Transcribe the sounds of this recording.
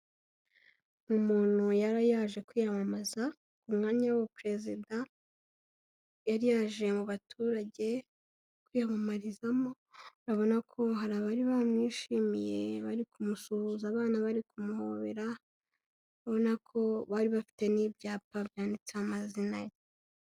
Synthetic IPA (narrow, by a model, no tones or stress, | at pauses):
mumuːnhujaɾajaʒe̞kwiːjamamaza | kumŋaːɲajwapɾe̞zida | jaɾjaʒe̞muβatʰuːɾaɟe̞ | kwiːjamamaɾizamo̞ | ɾaβo̞nakʰo̞ɦaɾaβaɾiβamɲiːʃiːmije̞βaɾikumusuhuzaːβaːnaβaɾikumuho̞βeɾa | ɾaβo̞nakʰo̞βaɾiβafi̥te̞nibɟaːpabjaːndit͡seamazinaje